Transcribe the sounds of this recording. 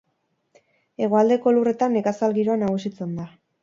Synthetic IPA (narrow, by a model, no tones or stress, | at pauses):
e̞ɣ̞oald̪e̞ko̞lure̞t̪anekasalɣiɾo̞anaɣ̞usit͡se̞nd̪a